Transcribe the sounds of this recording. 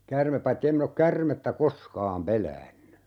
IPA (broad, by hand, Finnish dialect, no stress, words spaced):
kærmep pɑitːi em min ok kærmetːæ koskɑːm pelæːnːy